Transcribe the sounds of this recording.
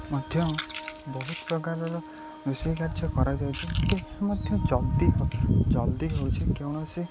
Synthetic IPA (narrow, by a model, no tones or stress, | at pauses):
mɔd̪ʱjɔbɔɦut̪pɾɔkaɾɔɾɔ | nusekaɾd͡ʒʰɔkɔɾajd͡ʒ̪awt͡ʃʰikemɔd̪ʱjɔd͡ʒɔld̪iɦd͡ʒɔld̪iɦowt͡ʃʰikewɽ̃ɔsi